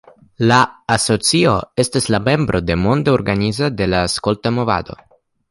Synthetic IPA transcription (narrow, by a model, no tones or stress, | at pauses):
laːsot͡sioest̪eslamembɾʔod̪emond̪eoɾɡanizad̪elaːskolt̪amova̰d̪o̰